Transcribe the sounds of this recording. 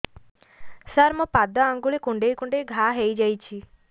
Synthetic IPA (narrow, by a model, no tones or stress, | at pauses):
saɾmupad̪ɔaŋɡuɭekũɳɖejkũɳɖejɡʱaɦejd͡ʒajt͡ʃʰi